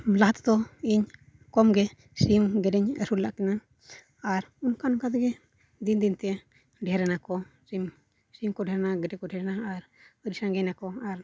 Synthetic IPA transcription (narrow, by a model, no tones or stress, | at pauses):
laɦat̪ɔ̥t̪ɔiɲ | kɔmɡɛ | simɡɛdɛɲə̰ɾulaʔkɛnaː | ɾunkanukad̪ɛɡɛ | d̪ind̪int̪ɛ | ɖɛɾɛnakɔsim | simkɔɖʱɛɾnaɡɛdɛkɔɖʱɛɾnaːɾ | əɾisaŋɡɛnakɔaɾ